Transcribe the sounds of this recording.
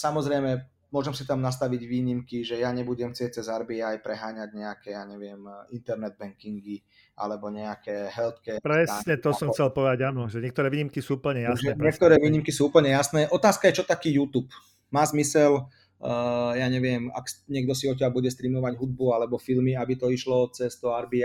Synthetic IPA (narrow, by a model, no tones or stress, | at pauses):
samɔzɾɛjmɛ | mʊɔʒɛmsit̪amnas̬t̪aʋiɟʋiːɲimkiʒɛjaɲɛbuɟɛmxt͡sɪɛc̚t͡sɛzaɾbiajpɾɛɦaːɲaɟɲɛakɛjaːɲɛʋɪɛmint̪ɛɾnɛd̪̚bɛŋkiŋɡi | a̰lɛbɔɲɛakɛːɦɛlt̪kɛːpɾɛsɲɛt̪ɔsɔmxt͡sɛlpɔʋɛd̪aɟanɔʒɛɲɛk̚t̪ɔɾɛːʋiːɲimkisuːupl̩ɲɛjasɛɛɲɛk̚t̪ɔɾɛːʋiːɲimkisuːuːpl̩ɲɛjasnɛːʔɔt̪aːskajɛt͡ʃɔt̪akiːjuːt̪uːp | maːzmisɛl | jaːɲɛʋɪɛma̰kɲɪɛɡd̪ɔsiɔc̬ːabuɟɛst̪ɾiːmɔʋaɟɦud̪̚bualɛbɔfilmiabit̪ɔiʃlɔt͡sɛst̪ɔaɾbi